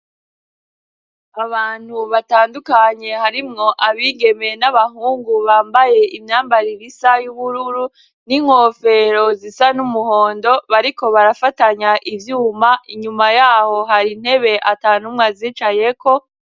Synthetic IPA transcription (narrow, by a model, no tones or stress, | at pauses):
aβaːn̥huβataːndukaɲe̞haɾimŋo̞ʔaβiɡe̞me̞naβaɦuːŋɡuβaːmbaje̞imɲaːmbaɾiɾisajuβuɾuɾu | niŋ̥ho̞fe̞ɾo̞zisanumuhoːndo̞βaɾiko̞βaɾafataɲaʔivjuːmaʔiɲumajaːho̞ɦaɾin̥he̞βe̞ʔataːnumŋaziːt͡ʃaje̞ko̞